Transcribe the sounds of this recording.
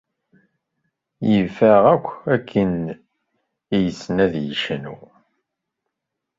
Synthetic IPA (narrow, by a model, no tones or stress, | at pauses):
jəfæʁækʷːækʰːən | ijəsːnæðjəʃənṵ